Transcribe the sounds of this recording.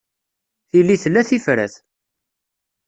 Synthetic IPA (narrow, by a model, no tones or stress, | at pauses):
θilːiθəlːæθifɾæ̰θ